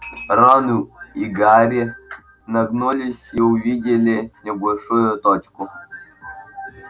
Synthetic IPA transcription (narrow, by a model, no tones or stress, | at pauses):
ɾɔnuiɡaɾʲɪ | nɐɡnulʲɪsʲiʊvʲidʲɪlʲɪnʲɪbɐlʲʂujʊt̪ɔt͡ɕkʊ